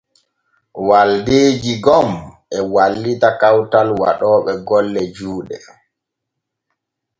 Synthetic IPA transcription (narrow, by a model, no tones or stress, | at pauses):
waldeːd͡ʒiɡɔmʔɛwalːitakawtalwa̰ɗɔːɓɛɡɔlːɛd͡ʒuːɗɛ